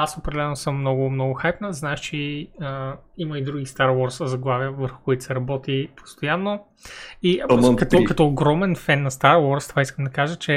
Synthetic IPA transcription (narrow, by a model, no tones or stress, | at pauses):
asopɾɛd̪ɛlɛnosəmːnɔɡʊmnɔɡʊxajpnəznaɛʃt͡ʃɛiəiməid̪ɾuɡist̪aɾwɔɾszɐɡlˠaviəvəɾxʊ̥kʊit̪sɛɾɐbɔt̪ipʰo̥st̪ojanːo | ikɐt̪ɔkɐt̪ɔːɡɾɔmɛnfɛnːɐst̪aɾwɔɾst̪ov̥aiskəmd̪ɐkaʒət͡ʃɛ